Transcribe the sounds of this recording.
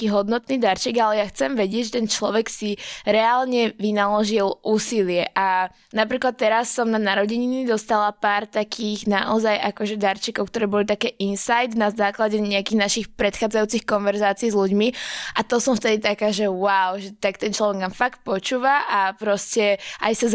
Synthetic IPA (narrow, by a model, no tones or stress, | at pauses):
kiːɦɔd̪nɔt̪niːd̪aɾt͡ʃiɡalɛjaxt͡sɛmʋɛɟɪɛɟʒɛt̪ɛnt͡ʃlɔʋɛksiɾɛalɲɛʋinalɔʒilʔuːsilɪɛʔa | napɾiːklat̪ːɛɾasːɔmnanaɾɔɟiɲinid̪ɔst̪alapaːɾt̪akʰiːɣnaʔɔzajʔakɔʒɛd̪aɾt͡ʃikɔʊk̚t̪ɔɾɛːbɔlit̪akɛːʔinsajd̪nazaːklaɟɛɲɛakiɣnaʃixpɾɛt̪xaːd͡zajuːt͡sixkɔnʋɛɾzaːt͡siiːzluɟmiʔat̪ɔsɔmft̪ɛd̪it̪akaːʒɛwaʊʒɛt̪akt̪ɛnt͡ʃlɔʋɛɡnaːmfak̚t̪̚pɔt͡ʃuːʋaʔapɾɔscɛʔa̰jsaz